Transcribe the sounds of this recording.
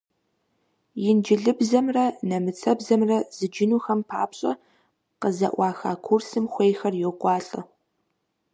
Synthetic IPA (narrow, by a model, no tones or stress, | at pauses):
jɪnd͡ʒɪɮɨbzɐmrɐnɐmɨt͡sʰɐbzɐmrɐz̥ɨd͡ʒɪnuːxɐmpʰa̰ːpɕʼɐ̰ | qəzɐ̰ʔʷɑːxa̰ːkʷʰursɨmxʷeːjxɐrjoqʷʼɑːɬʼɐ̰